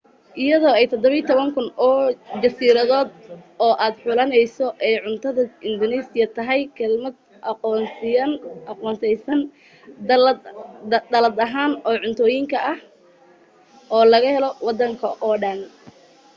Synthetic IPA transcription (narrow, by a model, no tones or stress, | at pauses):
ʔɪjɐðɔːɛjt̪ʰɔd̪ɔβɐijt̪ʰɔβɐŋkʰʊnɔːd͡ʒɐsiːɾɐðɔːd̪̚ɔːʔaːd̪ħʊlɐnɛjsɔʔɛjʕʊnt̪ʰɐðɐɪnd̪ɔnɛːsɪjɐt̪ʰɐɦɛjkʰɛlmɐd̪ | nɐqɔːnsɛjsɐn | d̪ɐlɐd̪ɐɦaːnɔːʕʊnt̪ʰɔːjɪŋkʰɐʔɐh | ʔɔːlɐɣɐhɛlɔwɑd̪ɐŋkʰɐʔɔːɖɐn